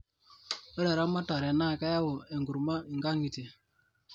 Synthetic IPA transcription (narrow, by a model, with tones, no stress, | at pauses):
ɔ˦ɾɛ˨ɾa˦ma˦ta˨ɾɛ˨na˦˨ka˦ja˦wo˨ɛ˨ŋɡu˨ɾma˦i˨ŋɡa˦ŋɡi˨te˨